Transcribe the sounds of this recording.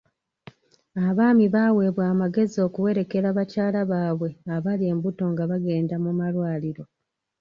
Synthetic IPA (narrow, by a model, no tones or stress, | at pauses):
aβaːmiβaːwe̞βwaːmaɡe̞zio̞ːkuwe̞ɾe̞ke̞ɾaβacaːlaβaːβwe̞aβalie̞ːmbuto̞ŋɡaβaɡe̞ːndamumalwaːliɾo̞